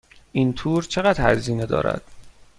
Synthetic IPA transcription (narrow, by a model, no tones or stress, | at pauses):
ʔint̪ʰuːɾt͡ʃʰeɣæd̪hæ̰ziːned̪ɒ̰ːɾæ̰d̪̥